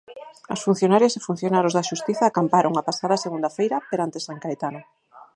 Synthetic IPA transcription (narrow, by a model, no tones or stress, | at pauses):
ɐsfun̟θjonaɾjasefun̟θjonaɾozðaʃust̪iθaːkampaɾoŋapasaðaseɣund̪afejɾɐpeɾant̪esaŋkaet̪ana